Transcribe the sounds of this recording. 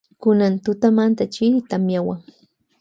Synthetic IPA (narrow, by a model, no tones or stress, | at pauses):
kʊnant̪ʊt̪amant̪at͡ʃit̪amjawaŋ